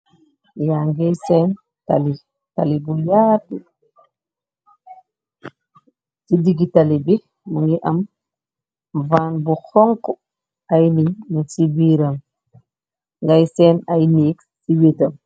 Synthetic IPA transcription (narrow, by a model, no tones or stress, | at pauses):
jaŋɡɛjsɛn | ta̰li | talibujaːti | tidiɡitalibɛ | muŋɡiʔam | vaːnbuxɔŋkɔ | ajnimusibiɾam | ŋɡajsɛnajnik | siwetam